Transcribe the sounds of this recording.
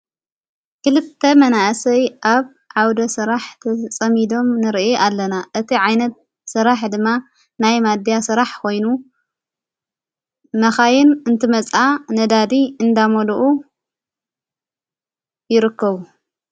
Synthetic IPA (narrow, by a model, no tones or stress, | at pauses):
kɨlɨt̪ʰːɐmɐnaʔsɐjʔaβ | ʕawd̪ɐsɨɾaħt̪ʰɐt͡sʼɐmid̪o̞mnɨɾiʔeʔalːɐnaʔɨt̪ʰiʕajnɐt̪̚ | sɨɾaħd̪ɨmːa | najmad̪jasɨɾaħkʰo̞jnu | mɐxajɪnɨnt̪ʰɨmɐt͡sʼanɐd̪ad̪iɨnd̪amɐluʔu | jɪɾɨkʰːɐβu